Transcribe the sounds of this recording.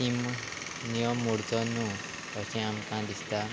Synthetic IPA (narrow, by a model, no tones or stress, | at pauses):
im | nijɔmːuɽt͡sɔnũ | əsɛ̃amkãd̪ist̪a